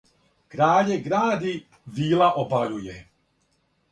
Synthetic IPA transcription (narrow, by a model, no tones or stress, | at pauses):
kɾaːʎɛɡɾaːd̪i | viːlaʔobaʎujɛ